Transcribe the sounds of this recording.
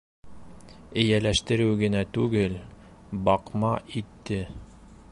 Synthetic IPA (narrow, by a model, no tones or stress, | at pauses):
ɘ̆jælæʃt̪ɘ̆ɾɘwɡɘ̆næt̪ʉɡɘl | bɑqmɑit̪ːɘ